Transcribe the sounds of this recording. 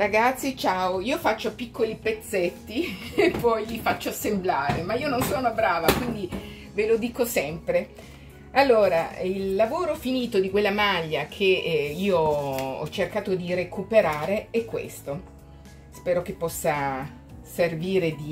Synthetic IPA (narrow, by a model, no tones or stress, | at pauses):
ɾaɡat̪sːit͡ʃaːoiːofat͡ʃːopikːolipet̪sːet̪ːiepːɔjʎifat͡ʃːoasemblaːɾemaiːononsoːnobɾaːvakwind̪i | velod̪iːkosɛmpɾe | alːoːɾailːavoːɾofiniːt̪od̪ikwelːamaʎːakʰeiːoɔ̰t͡ʃːerkaːt̪od̪irekupeɾaːɾeɛkːwḛst̪o | spɛːɾok̟epːɔsːa | serviːɾed̪i